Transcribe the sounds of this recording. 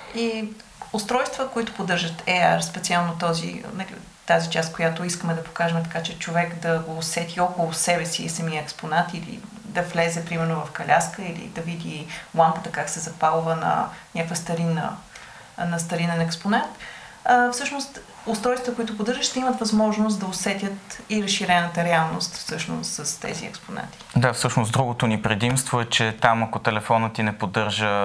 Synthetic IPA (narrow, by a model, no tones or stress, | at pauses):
i | ʊst̪ɾɔjst̪vəkoit̪ʊ̥pod̪ɤɾʒət̪ʰɛa̰ɾspɛt̪sialˠnot̪ɔzḭnɐlḭ | t̪azit͡ʃast̪̚kojat̪oiskəmɛd̪ɐpo̥kaʒɛmt̪ɐ̥kat͡ʃɛt͡ʃovɛkd̪ɐɡoːsɛt̪iɔkolˠʊsɛbɛsiːsɐmiəɛksponat̪ilḭ | d̪ɐvlɛzɛpɾimɛɾnovɐfkɐlʲʔaskəilḭd̪ɐvid̪ilˠamkət̪əkaksɛzɐpalˠvənɐ̰nʲakovjəst̪ɐɾinə̰ | nɐst̪ɐɾinɛnɛksponɛnt̪ | əfsɤʃnost̪ | ʊst̪ɾɔjst̪ət̪əkʊit̪ʊpʊd̪əɾʒəʃt̪ɛimət̪vɐzmɔʒnost̪d̪ɐosɛt̪ʲjət̪iɾəsʃiɾɛnət̪əɾɛalˠnost̪fsɤʃno̰st̪səst̪ɛ̰zḭɛ̰kspona̰t̪i̥d̪afsɤʃnosd̪ɾuɡot̪onipɾɛd̪imst̪voɛt͡ʃɛt̪amɐkot̪ɛlɛfɔnət̪inɛpod̪ɤɾʒə